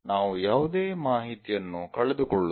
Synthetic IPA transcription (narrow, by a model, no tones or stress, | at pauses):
naːʋujaːʋud̪eːmaːɦit̪ijɐnːukɐɭed̪ukɔɭːu